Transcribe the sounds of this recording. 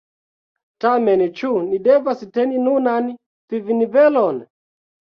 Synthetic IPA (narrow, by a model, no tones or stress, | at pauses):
tamɛnt͡ʃunidɛvasitɛninunani | tivinivɛlɔn